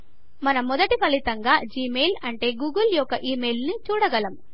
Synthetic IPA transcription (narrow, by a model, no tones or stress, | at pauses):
mɐnɐmːɔd̪ɐʈipɐlit̪ɐŋɡaːd͡ʒiːmeːlɐɳʈe̞ːɡuːɡɐljɔkːɐʔiːmeːlnit͡ʃuːɽɐɡɐlɐmu